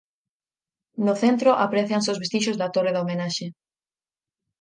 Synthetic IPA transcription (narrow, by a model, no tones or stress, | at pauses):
nʊθent̪ɾʊʔapɾeθjanseowzβest̪iʃ̬ozðat̪oreðaomenaʃe